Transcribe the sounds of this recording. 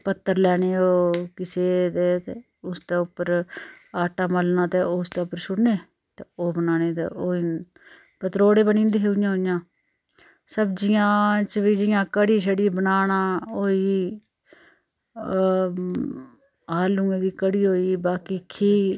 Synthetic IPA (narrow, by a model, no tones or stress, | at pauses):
pət̪ːəɾlɛːɽeːoːkɪseːd̪eːt̪eː | ʊst̪eːʊpːəɾaːʈaːməlnãːt̪eːoːst̪eːʊpːəɾʃʊɽneː | t̪eːoːbənaːneːt̪ḛːoːiː | pət̪ɾoːɽeːbənĩːnd̪eːɦeujãːɦoːɪjãː | səbd͡ʒɪjãːt͡ʃəʋiːd͡ʒɪjãːkəɽiːʃʰəɽiːbənaːnaːoːiː | aːlũːẽːd̪iːkəɽiːɦoːiːbaːkiːkʰiː